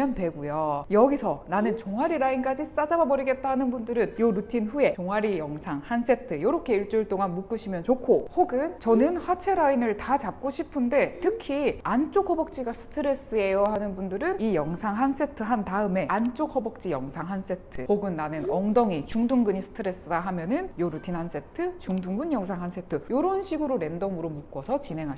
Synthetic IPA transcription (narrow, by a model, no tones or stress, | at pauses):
ʌndwe̞ɡujojʌɡisʰʌnanɯnt͡ɕoŋaɾiɾaink͈ad͡ʑis͈ad͡ʑababʌɾiɡe̞t̚t͈ahanɯnbundɯɾɯnjoɾutʰinɸue̞t͡ɕoŋaɾijʌŋsʰaŋhans͈e̞tʰɯjoɾokʰe̞iɭt͡ɕ͈uɭt͈oŋanmuk͈uɕʰimjʌnt͡ɕokʰohoɡɯnt͡ɕʌnɯnɸwat͡ɕʰe̞ɾainɯɭtat͡ɕap̚k͈oɕʰipʰɯnde̞tʰɯkʰiant͡ɕ͈okhʌbʌk̚t͡ɕ͈iɡasʰɯ̥tʰɯɾe̞s͈ɯe̞jʌhanɯnbundɯɾɯnijʌŋsʰaŋɦans͈e̞tʰɯɦantaɯme̞ant͡ɕ͈ok̚ʰʌbʌk̚t͡ɕ͈ijʌŋsʰaŋɦans͈e̞tʰɯpoɡɯnːanɯnʌŋdʌŋit͡ɕuŋduŋɡɯɲisʰɯ̥tʰɯɾe̞s͈ɯdaɦamjʌnɯnjoɾutʰinɦans͈e̞tʰɯt͡ɕuŋduŋɡɯnjʌŋsʰaŋɦans͈ʰe̞tʰɯjoɾʌnɕʰiɡɯɾoɾe̞ndʌŋɯɾomuk͈ʌsʰʌt͡ɕinɦe̞ŋɦa